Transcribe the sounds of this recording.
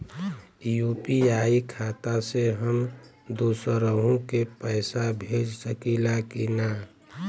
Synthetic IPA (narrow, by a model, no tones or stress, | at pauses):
jupiaːikʰaːt̪aseɦəm | d̪osəɾəɦũkepəɪsabʱed͡ʒsəkilakina